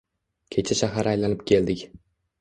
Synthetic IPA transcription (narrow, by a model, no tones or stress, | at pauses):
kʲʰet͡ʃʰaʃaɦaɾajlanɪp̚kʲʰe̞ld̪ɪkʲ